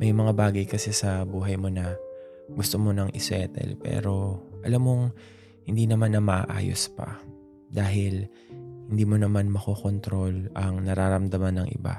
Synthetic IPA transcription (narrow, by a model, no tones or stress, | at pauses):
mɐjmɐŋabaːɡɐjkɐsɛsɐbuːɦɐjmo̞nɐ | ɡʊst̪omonɐŋʔɪsɛ̰t̪ɛ̰lpɛ̰ːɾo̞ʔɐlamːoŋ | hɪnd̪iːnɐmanːɐmɐʔa̰ːʔa̰ːjo̰spɐ̰ | d̪aːɦɪl | hɪnd̪iːmo̞nɐmanmɐkoko̞nt̪ɾo̞lʔɐŋnɐɾaːɾɐmd̪ɐmanːɐŋʔɪ̰ba̰